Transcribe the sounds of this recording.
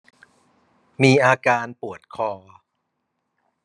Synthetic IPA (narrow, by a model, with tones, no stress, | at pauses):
miː˧ʔaː˧kaː˧npu˨˩ət̪̚kʰɔː˧